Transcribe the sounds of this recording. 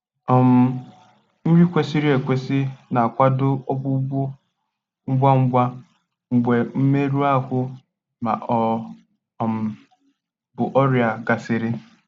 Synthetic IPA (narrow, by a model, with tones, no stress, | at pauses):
ɔ˨m̩˨ | n̩˦ɾi˦kʷe˦si˦ɾi˦e˨kʷe˦sɪ˦na˨a˨kʷa˦dʊ˦ɔ˦bʊ˦ɡ͡bʊ˦ | ŋ̩˦ɡ͡bʷa˦ŋ͡m̩˦ɡ͡bʷa˦ | ŋ͡m̩˨ɡ͡bʷe˨m̩˦me˦ɾu˦a˦kʊ˦ | ma̰˨ʔɔ˨ | m̩˨ | bʊ˨ʔɔ˦ɾja˨ɡa˨sɪ˨ɾɪ˦